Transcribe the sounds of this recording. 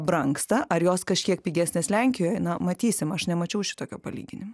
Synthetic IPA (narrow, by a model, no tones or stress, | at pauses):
bɾɐŋkst̪ɐʔɐɾjoːskɐʃʲkʲiɛk̚pʲiːɡʲæsʲnʲeːslʲɛŋʲkʲɪjoːjnɐmɐt̪ʲiːsʲɪmɐʃnʲɛmɐt͡ʃʲɛʊʃʲɪ̥t̪oːkʲoːpɐlʲḭːɡʲɪnʲɪmɐ